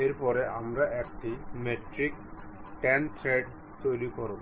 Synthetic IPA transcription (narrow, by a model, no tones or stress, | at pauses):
eɾpɔɾeʔamɾaʔekʈimeʈɾik | ʈɛntʰɾeɖ | t̪ojlikɔɾo